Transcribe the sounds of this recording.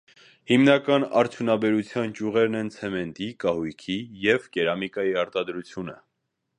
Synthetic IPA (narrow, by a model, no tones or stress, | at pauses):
himnɑkɑnɑɾt͡sʰjunɑbɛɾut͡sʰjɑnt͡ʃuʁɛɾnɛnt͡sʰɛmɛnt̪ikɑhujkʰijɛvkɛɾɑmikɑjiɑɾt̪ɑd̪ɾut͡sʰjunə